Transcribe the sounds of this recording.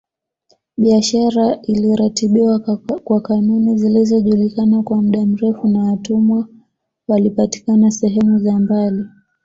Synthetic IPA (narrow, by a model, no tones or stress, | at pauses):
ɓiaʃaɾailiɾatiɓiwakwakanunizilizɔʄulikanakwam̩ɗam̩ɾɛfunawatumwa | walipati̥kanasɛɦɛmuzambali